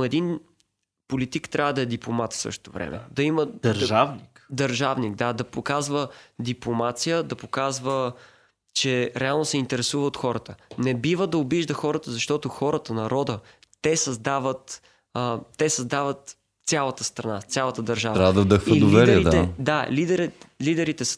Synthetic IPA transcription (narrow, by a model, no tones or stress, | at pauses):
oɛd̪in | polit̪ikt̪ɾʲʔavəd̪ɐɛd̪iplˠomat̪fsɤ̰ʃt̪o̥t̪o̰vɾɛ̰mʔɛ̰d̪ɐiməd̪ɐɾʒavnikd̪ɐɾʒavnik̚d̪ad̪ɐpokazvəd̪iplˠomat̪sijəd̪ɐpokazvə | t͡ʃɛɾɛalˠnosɛint̪ɛɾɛsuvəot̪xɔɾət̪ənɛbivəd̪ɐobiʒd̪əxɔɾət̪əzɐʃt̪ɔt̪oxɔɾət̪ənɐɾɔd̪ə | t̪ɛsɐzd̪avət̪ | ət̪ɛsɐzd̪avət̪ | sʲalˠɐt̪əst̪ɾɐnast̪sʲjalˠət̪əd̪ɐɾʒavɾavd̪ɐd̪əxfəilovɛɾəid̪aɛd̪alid̪ɛɾɛlid̪ɛɾit̪ɛs